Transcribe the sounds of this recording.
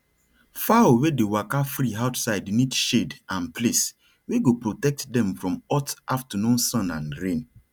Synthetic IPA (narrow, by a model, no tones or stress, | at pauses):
fawedewakafɾiaʊtsaɪdnidʃedãnpʰles | weɡopɹotɛk̚tdɛ̃mfɹɔ̃mɔtʔaftənũnsɔ̃nãnɹẽn